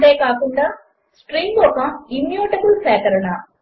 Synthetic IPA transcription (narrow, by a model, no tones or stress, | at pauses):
ɖeːkaːkuɳɖaː | sʈɾiŋɡɔkɐimjoːʈɐkulsɛːkɐɾɐɳɐ